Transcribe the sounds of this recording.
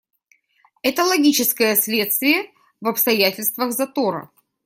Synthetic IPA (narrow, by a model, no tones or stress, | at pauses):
ɛt̪əlˠɐɡʲit͡ɕɪskəjəsʲlʲe̞t̪st̪vʲɪjə | vɐpst̪ɐjætʲɪlʲst̪vəɣzɐt̪oɾə̰